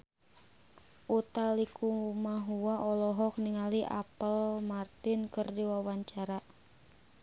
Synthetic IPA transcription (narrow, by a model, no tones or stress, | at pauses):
ʔut̪alikumaɦuwaʔɔlɔɦɔk̚niŋaliʔa̰pəlmart̪inkɨrdiwawaɲt͡ʃaɾa